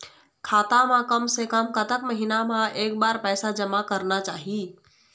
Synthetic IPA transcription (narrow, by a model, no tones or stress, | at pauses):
kʰat̪amẽkəmsekəmkət̪əkməɦinamãek̚baɾpɛɪsad͡ʒəmakəɾnat͡ʃaːɦi